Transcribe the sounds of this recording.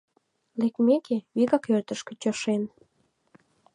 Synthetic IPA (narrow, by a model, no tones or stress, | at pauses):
lek̚mekʰeβiɣɑkørt̪əʃkĕt͡ɕoʃen